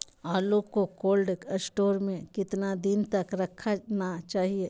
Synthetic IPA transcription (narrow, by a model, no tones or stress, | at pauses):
aːlokːokoːlɖəsʈoːɾmẽkɪt̪nad̪ɪnt̪ɐkɾɐkʰːanat͡ʃaːɦieː